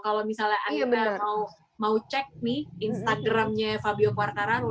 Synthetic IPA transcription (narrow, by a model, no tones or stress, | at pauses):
kalomisalɲaʔanabəmau | maut͡ʃɛk̚nɪhinst̪aɡɾamɲafabiokuarnaɾa